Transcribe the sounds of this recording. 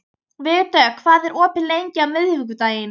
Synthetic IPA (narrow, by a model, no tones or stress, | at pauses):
vɪɣt̪ːœːkʰvaːðɛɾʔɔːpɪnlejɲcɪawmɪðhɪvʏk̬ʏt̪aːjɪn